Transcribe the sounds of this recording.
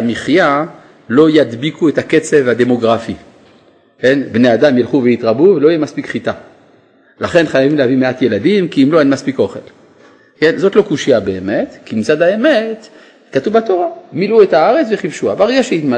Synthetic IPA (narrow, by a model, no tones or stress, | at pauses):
amiχja | lo̞jad̪bikʰuetaket͡sevhad̪e̞mo̞ɡʁafi | kenbnead̪amjilχuvejit̪ʁabuvelo̞ijemaspikχit̪a | laχe̞nχajavimleavimeat̪jelad̪imkiːmlo̞enmaspikʔo̞χḛl | kenzot̪lo̞kuʃijabe̞ːmet̪kimit͡sad̪aemet | katuvbat̪o̞ʁamiluetaaʁet͡sveχivʃuabaʁeɡaʃeitma